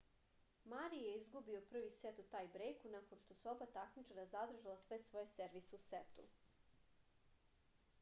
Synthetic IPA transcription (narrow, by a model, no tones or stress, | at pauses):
maɾijeizɡubio̞pr̩ʋiset̪ut̪ajbɾejkunakonʃt̪o̞seobat̪akmit͡ʂaɾazad̪r̩ʒalˠasʋe̞sʋo̞jeseɾʋiseuset̪ṵ